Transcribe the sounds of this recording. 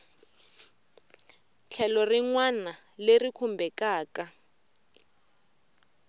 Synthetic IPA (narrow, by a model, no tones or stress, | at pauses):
t͡ɬʰɛlɔriŋwana | lerikʰumbɛkaːka